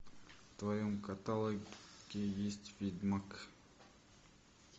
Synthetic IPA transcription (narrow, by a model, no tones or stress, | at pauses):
t̪vajomkat̪alˠəɡʲejesʲtʲfʲid̪mak